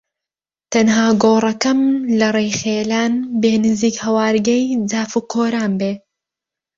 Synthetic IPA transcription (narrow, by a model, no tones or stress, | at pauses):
t̪ɐnɦaːɡoːrˤɐkɐmlɐrˤejχeːlaːnbeːnɨziːkhɐwaːɾɡɐjd͡zaːfuːkʰoːɾaːnbeː